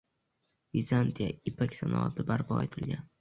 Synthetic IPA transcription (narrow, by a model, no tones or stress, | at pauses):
vizant̪ʰijaɪpakʲsanɒ̰a̰t̪ʰɪbaɾpʰɒ̰et̪ʰɪlɡʲan